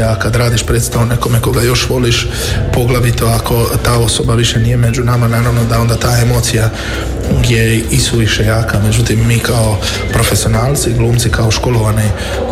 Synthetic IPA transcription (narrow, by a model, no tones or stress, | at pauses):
akad̪ɾaːd̪iʃpɾed̪st̪aʋone̞ko̞meko̞ɡajo̞ʃʋo̞liʃ | po̞ɡlaʋit̪oakʰo̞t̪aːo̞so̞baʋiʃe̞nije̞me̞d͡ʒunamananaʋnod̪ao̞nd̪at̪aːe̞mo̞ːt̪sija | ɡjeisuʋiʃe̞jaːkame̞d͡ʑut̪imːiːkao̞ | pɾo̞fe̞sio̞naːlt̪siɡlˠuːmsikaoʃko̞lo̞ʋani